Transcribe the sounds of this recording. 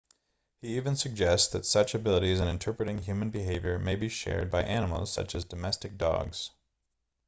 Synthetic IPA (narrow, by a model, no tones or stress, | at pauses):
hiivɨ̃nsɨɡ̚d͡ʒɛstsðɨtsʌt͡ʃɨbɪlˠəɾizɨ̃nɨ̃ntʰɜ˞pɹɨɾɪ̃ŋɦjʉmɨ̃n̩bɨɦeɪvjə˞meɪbiʃɛ̰ɹd̚baɪʔænəm̩l̩ˠz̥sʌ̰t͡ʃɨzdɨmɛstɨk̚d̥ɔ̰ɡz̥